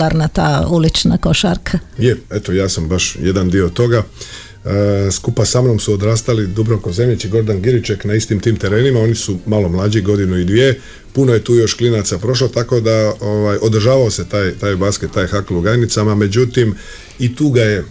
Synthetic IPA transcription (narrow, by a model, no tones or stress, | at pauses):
aɾnat̪a̰ːulit͡ʃna̰koʃaɾkʰajee̞t̪ojaːsambaʃjed̪and̪io̞t̪o̞ɡa | skupasamno̞msuod̪ɾaːst̪alid̪ubɾokoze̞mʎit͡ʃiɡo̞ɾd̪anɡiɾit͡ʃeknaist̪imt̪iːmt̪e̞ɾe̞ːnimao̞nisumaːlo̞mlˠaːd͡ʑiɡo̞d̪inuid̪ʋje | puno̞je̞t̪uːjo̞ʃklinat̪sapɾo̞ʃ̬lot̪ako̞d̪aoʋajʔo̞d̪r̩ʒaːʋaose̞t̪aːjt̪aːjbaːsket̪ːaːjxakluɡajnit̪samame̞d͡ʑut̪im | it̪uːɡaje̞